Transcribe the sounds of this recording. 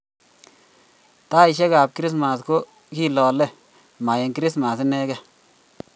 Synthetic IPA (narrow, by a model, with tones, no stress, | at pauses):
taː˦ɪ˨ʃ̬ɛ˦kaː˨p̚kɾɪ˦s̬ma˨sko˦ | ki˦lɔː˨lɛ˦ | ma˨jɛ˨ŋkɾɪ˦sma˨s̬ɪ˦nɛ˦kɛ˦